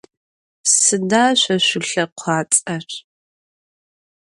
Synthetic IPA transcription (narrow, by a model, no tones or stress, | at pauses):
sɨdaːʃʷɐɕʷʊɬɐqʷʰɑːt͡sʼɐr